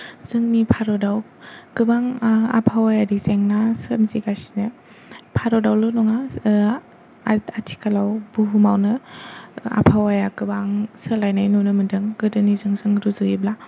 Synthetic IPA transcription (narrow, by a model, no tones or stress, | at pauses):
z̥ɯŋnipʰaɾɔdaw | kɯbaŋa̰pʰawajaɾizeŋnasəmziɡasinɯ | pʰaɾɔdawlɯnɔŋa | atʰi̥kalawbuɦumawnɯ | a̰pʰawajakɯbaŋsəlajnajnunɯmɯndɯŋɡɯdɯnizɯŋzɯŋɾuzujibla